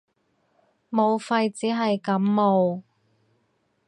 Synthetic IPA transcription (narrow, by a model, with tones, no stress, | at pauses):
mo˨˧wfɐ˧jt͡siː˨˥ɦɐ˨jkɐ˨˥mːo˨˧w